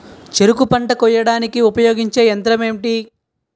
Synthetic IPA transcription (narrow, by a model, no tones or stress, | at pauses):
t͡ʃe̞ɾukupɐɳʈɐkɔjɐɽaːnikiupɐjoːɡiɲt͡ʃe̞ːɐnt̪ɾɐmeːmʈi